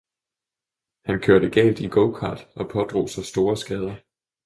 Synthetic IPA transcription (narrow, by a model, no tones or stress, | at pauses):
hænkʰøɐɾəɡ̥ɛ̰ːld̥iɡ̥oʊkʰɑ̰̈ːd̥ɒ̽pʰɒ̽d̥ʁo̝̰ːsɒsd̥o̝ːɐsɡ̥ɛːð̞ˠɐ